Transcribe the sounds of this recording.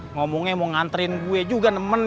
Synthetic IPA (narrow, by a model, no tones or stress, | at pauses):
ŋomɔŋemɔŋant̪əɾɪnɡued͡ʒuɡanəmən